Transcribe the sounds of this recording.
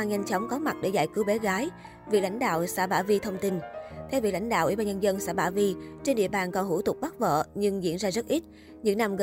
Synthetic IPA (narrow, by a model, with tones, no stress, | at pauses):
a˧ŋɲa˧jŋ̟t͡ɕɔ˨˦wŋ͡mkɔ˨˦ma˨˩t̚ɗe˧˩za̰ː˧˨jkɨ˨˦wɓe˨˦ɣaː˨˦j | vi˨˩k̚la̰˧˩jŋ̟ɗa̰ː˧˨wsa̰ː˧˥ɓaː˧˩vi˧t̪ʰə˧wŋ͡mt̪i˧nt̪ʰɛ˧wvi˨˩kla̰˧˥jŋ̟ɗa̰ː˧˨wʔḭ˧˩ɓaː˧ɲə˧nzə˧nsa̰ː˧˥ɓaː˧˩vi˧t͡ɕe˧nɗḭ˧˨əɓaː˨˩nkɔ˨˩nɦu˧˩t̪ʊ˨˩k͡p̚ɓa˦˥t̚və̰ː˧˨ɲɨ˧ŋzḭ˧˥ənzaː˧zə˦˥t̚ʔi˦˥t̚ | ɲɨ̰˧˥ŋna˧mɣə˨